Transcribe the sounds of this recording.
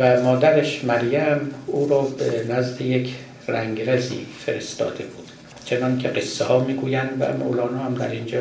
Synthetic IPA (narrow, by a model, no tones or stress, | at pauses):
væmɒːd̪æɾeʃmæɾjæmuːɾɒːbenæzd̪ejekʰ | ræŋɡɾezḭːfe̞ɾest̪ɒ̰ːd̪e̞b̥uːd̪̥ | t͡ʃʰenɒŋcʲʰeɢesːehɒːmiːɡuːjænd̪væ̰mo̰lɒːnɒːhæmd̪æ̰ɾind͡ʒɒː